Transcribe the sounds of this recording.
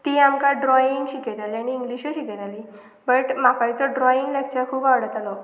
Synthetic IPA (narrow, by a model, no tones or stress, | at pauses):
t̪iːamkaɖɾɔiŋɡɕiket̪aliaɽ̃iːŋɡliɕəɕiket̪aliː | bəʈmakajt͡sɔɖɾɔjiŋɡlak̚t͡ɕakʰuːbaʋɽət̪alɔ